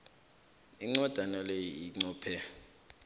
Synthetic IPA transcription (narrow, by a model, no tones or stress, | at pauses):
iŋ͡ǀɔd̥ʱanalejiiŋ͡ǀɔːpʰɛ